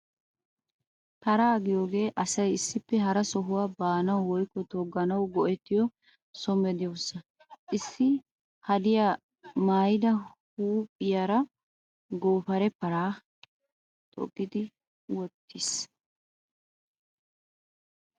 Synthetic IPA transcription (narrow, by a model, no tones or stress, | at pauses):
t̪ɐɾaːɡɪjoːɡe̞ːʔɐsɐjɪsːɪpːɛɦɐɾɐsɔɦʊwaːbaːnɐwwɔjkːɔt̪ɔɡːɐnɐwɡɔʔɛt̪ːɪjɔ | sɔmɛd̪ɪjɔwsːɐ | ʔɪsːɪ | hɐd̪ɪja | maːjɪd̪ɐhuːpʼːɪjaɾɐ | ɡoːfɐɾɛpɐɾaː | t̪ʼɔ̰ɡːɪd̪ɪ | wɔt̪ːɪs